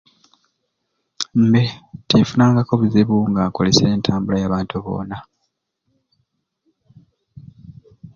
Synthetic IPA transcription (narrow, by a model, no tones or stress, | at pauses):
m̩betefunaːŋɡako̞βuziβuŋɡaːko̞le̞see̞ːntʰaːmbulajaːβaːntuβo̞̰ːna